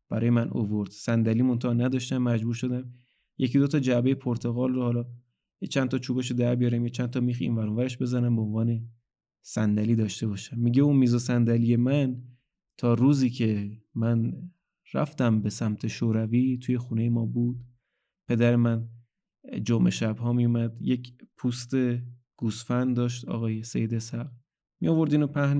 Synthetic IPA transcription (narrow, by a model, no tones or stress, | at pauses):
b̥æɾɒːje̞mænʔo̰voɾd̪̥sænd̪æliːmont̪ʰɒːnæd̪ɒːʃt̪æmːæd͡ʒbuːɾʃo̞d̪æm | jecid̪ot̪ʰɒːd͡ʒæbe̞je̞pʰoɾt̪ʰe̞ɣɒːlrohɒːlɒː | jet͡ʃʰænt̪ʰɒt͡ʃʰuːbeʃ̬od̪æɾbijɒːɾæmjet͡ʃʰænt̪ʰɒmiːxḭnvæɾovæɾeʃbe̞zænæmbeonvɒːne̞ | sænd̪æliːd̪ɒːʃt̪e̞bɒːʃæmːiɟeunmiːzosænd̪ælijemæn | t̪ʰɒːɾuːziːcʰe̞mæn | ræ̰ft̪æmbesæmt̪ʰe̞ʃoːɾæviːt̪ʰuːje̞xune̞je̞mɒːbuːd̪̥ | pʰe̞d̪æɾemæn | d͡ʒomʔe̞̰ʃæbɦɒːmijumæd̪̥jekʰpʰust̪e̞ | ɡ̥uːsfænd̪ɒːʃ̬t̪ɒ̰ːɣɒːjesejid̪esæɣ | mḭjovo̞ɾd̪iːnopʰæhn